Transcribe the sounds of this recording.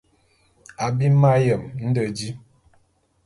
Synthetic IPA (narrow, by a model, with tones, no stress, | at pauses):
a˨bi˦ma˦jə˨mn̩˦də˨d͡ʒi˦